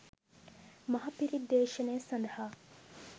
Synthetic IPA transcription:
mɐɦɐpiɾid̪ːeːʃɐneːsɐnd̪ɐhaː

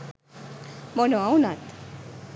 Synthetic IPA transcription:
mɔnoawnat̪

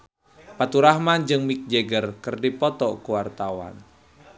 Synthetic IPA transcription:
pat̪uɾahmand͡ʒɨŋmik̚d͡ʒeɡərkərdipɔt̪ɔkuwart̪awa̰n

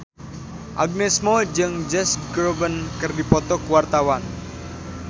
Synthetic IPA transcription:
ʔaɡ̚nesmod͡ʒɨŋd͡ʒɛsɡɾobənkɨrdipɔt̪ɔkuwart̪awan

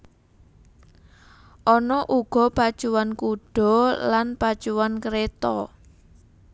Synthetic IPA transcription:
ʔɔnɔʔuɡ̥ɔ̤pad̥ʒ̥uwankuɖ̥ɔ̤lanpad̥ʒ̥uwankəɾet̪ɔ̰

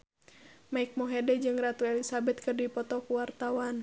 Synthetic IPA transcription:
maik̚mɔɦɛdɛd͡ʒɨŋrat̪uɛlisabɛt̪̚kɨrdipɔt̪ɔkuwart̪awan

